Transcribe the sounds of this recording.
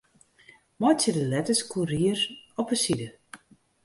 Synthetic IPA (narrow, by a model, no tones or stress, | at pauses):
mɔjsɪdəlɛtəskʰuɾiəɾɔpəsidə